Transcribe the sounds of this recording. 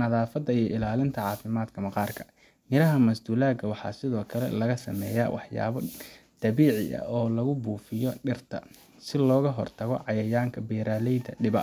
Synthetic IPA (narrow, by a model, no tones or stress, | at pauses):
nɐðaːfɐd̪ɐijɔʔɪlaːlɪnt̪ʰɐʕɑːfɪmaːd̪kʰɐmɐqɑːrkʰɐ̥ | mɪɾɐɦɐmɐsd̪uːlaːɡɐwɑħɑ̰ːsɪðɔːkʰɐlɛ̰lɐɣɐsɐ̰mɛːja̰wʔɑ̰ħja̰ːβɔd̪̥ɐβiːʕɪ̰ʔɐ̰ʔɔːlɐɣʊbuːfɪjɔɖɪrt̪ʰɐ̰ | sɪlɔːɣɐɦɔrt̪ʰɐɣɔ̰ʕɑjɐjaːŋkʰɐbɛːɾaːlɛjd̪ɐɖɪβɐ